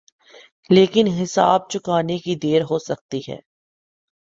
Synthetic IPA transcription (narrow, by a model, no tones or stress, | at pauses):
leːkɪnɦɪsa̰ːb̚t͡ʃʊkaːnekid̪eːɾɦoːsɐk̚t̪iɦɛ̰ː